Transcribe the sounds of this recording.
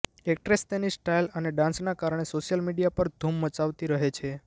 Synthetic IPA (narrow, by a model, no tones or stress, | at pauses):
ek̚ʈɾest̪enisʈailəneɖãnsnakaɾəɳ̃esoʃjəlmiɖijapəɾd̪ʱumːət͡ʃaʋt̪iɾəɦet͡ʃʰe